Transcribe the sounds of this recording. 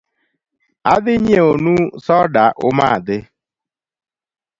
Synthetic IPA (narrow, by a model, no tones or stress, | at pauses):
adɪɲeonusɔdaʔʊmaadɪ